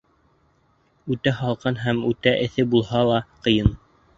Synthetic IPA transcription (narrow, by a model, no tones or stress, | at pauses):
ʉt̪æɦɑlˠqɑnɦæmʉt̪æʔɘ̆θɘbulˠhɑlˠɑqɤ̆jɤn